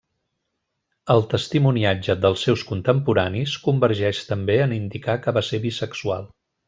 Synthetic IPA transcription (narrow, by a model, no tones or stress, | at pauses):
əlˠt̪əst̪imuniad͡ʒəd̪əlˠsːewskunt̪əmpuɾaniskumbəɾʒɛʃt̪əmbeənind̪ikakəβaseɾβisəksua̰lˠ